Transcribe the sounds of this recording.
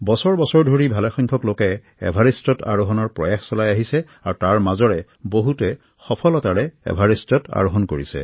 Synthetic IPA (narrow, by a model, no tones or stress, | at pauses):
bɔsɔɹbɔsɔɹdʱoɹibʱalɛxɔjŋkʰɔklokɛ | ɛ̰bʱaɹistɔta̰ɹoɦɔnɔɹpɹɔjaxsɔlajaɦisɛ | aɹtaɹmazɔɹɛ | boɦutɛ | xɔpʰɔlɔtaɹɛɛ̰bʱaɹistɔta̰ɹoɦɔnkoɹisɛ̰